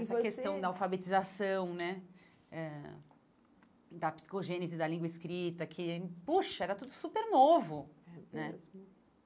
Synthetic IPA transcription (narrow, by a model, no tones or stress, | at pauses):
ɛsɐkest̪ɐ̃w̃d̪ɐawfabet͡ʃizasɐ̃w̃nɛ | ɛ | d̪ɐpsi̥koʒẽnɪzɪd̪ɐlĩɡwɐɪskɾit̪ɐkʰɪpuʃɐɛɾɐt̪ud̪ʊsupeɾnovʊnɛ